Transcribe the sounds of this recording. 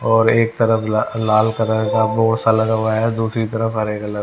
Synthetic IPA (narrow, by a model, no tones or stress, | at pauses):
ɔːɾeːk̚t̪ɐɾəfʰalaːlkɐɾəɡaboːɽsalɐɡaʋaɦɛd̪uːsɾit̪ɐɾəfɦɐɾeːklɐ